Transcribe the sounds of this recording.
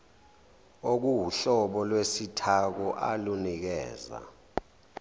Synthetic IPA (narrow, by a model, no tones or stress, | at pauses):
ok̬uwuɬɔɓɔlwesitʰak̬ɔʔa̰lunik̬ɛːza̰